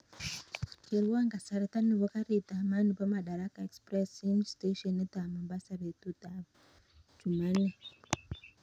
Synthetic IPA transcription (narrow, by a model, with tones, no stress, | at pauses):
t͡ʃe˨ɾi˦waŋɡa˨saɾa˦ta˦neβo˦ka˦ɾitama˦nu˨pamaɗa˨ɾa˦ka˨e˨kspresinsteʃɔneda˨ma˨ɓa˦saretu˦da | d͡ʒu˨ma˦ne